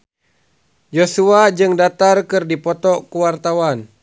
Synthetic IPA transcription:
d͡ʒosuad͡ʒɨŋdat̪arkɨrdipɔt̪ɔkəwart̪awan

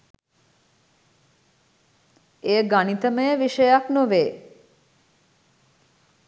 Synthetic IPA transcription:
eːɡanit̪əməjəʋiʃəjaknoʋeː

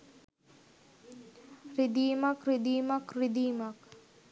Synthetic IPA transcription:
rid̪iːmakrid̪iːmakrid̪iːmak

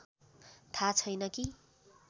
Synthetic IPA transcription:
t̪ʰat͡sʰʌjnʌki

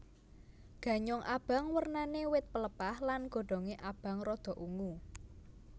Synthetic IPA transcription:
ɡ̥ä̤ɲɔŋʔab̥a̤ŋwərnanewɪt̪̚pələpahlanɡ̥ɔ̤ɖ̥ɔ̤ŋeʔab̥ä̤ŋrɔd̪̥ɔ̤ʔuŋu

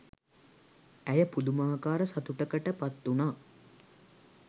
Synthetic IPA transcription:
æjəpud̪umaːkaːɾəsat̪uʈəkəʈəpat̪ːunaː

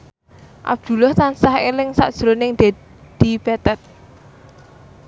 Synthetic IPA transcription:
ʔa̰b̥̚d̪̥ṳlʊht̪ansahelɪŋsa̰ʔd̥ʒ̥ɾonɪŋd̪̥e̤ | d̪̥i̤pɛt̪ɛt̪̚

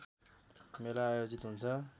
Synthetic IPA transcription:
melaajod͡zit̪ɦunt͡sʰʌ

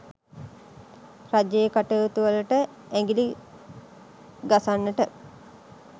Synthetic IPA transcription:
rad͡ʒejəkaʈəːt̪uʋələʈə | æŋɡili | ɡasanːəʈə

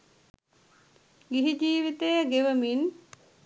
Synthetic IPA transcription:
ɡiɦid͡ʒiːʋit̪ejəɡeʋəmin

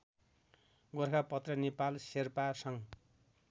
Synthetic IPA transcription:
ɡorkʰapʌt̪rʌnepalserpasʌŋ

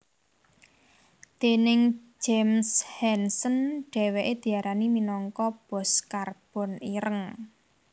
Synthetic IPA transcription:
t̪enɪŋd͡ʒemshɛnsənɖ̥ɛ̤weʔed̪̥i̤aɾʔaniminɔŋkɔb̥ɔ̤skarb̥ɔ̤niɾəŋ

